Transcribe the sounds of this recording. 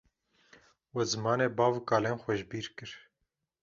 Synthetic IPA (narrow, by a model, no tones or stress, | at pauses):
wɛzɨmɑːneːbɑːvkɑːleːnxʷɛʒbiːɾkɨɾ